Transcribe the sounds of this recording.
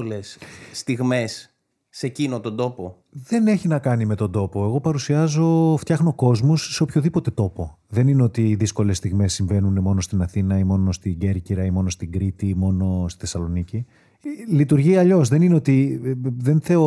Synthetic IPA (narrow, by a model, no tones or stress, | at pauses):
lesːt̪iɣme̞sː | ecinot̪ond̪o̞po | ðe̞ne̞çinɐkɐnime̞t̪o̞nd̪o̞po̞e̞ɣo̞pɐɾusiɐzo̞ft̪çɐxno̞ko̞zmusːe̞opço̞ðipo̞t̪e̞t̪o̞po̞ | ðe̞nineo̞t̪iːðisko̞le̞sːt̪iɣme̞sːiɱve̞nunemo̞no̞st̪inɐθinɐimo̞no̞st̪iɟe̞ɾciɾɐimo̞no̞st̪iɡɾit̪imo̞no̞st̪i̥θe̞sɐlo̞nici | lit̪uɾʝiɐʎo̞zðe̞nineo̞t̪iðe̞nθe̞o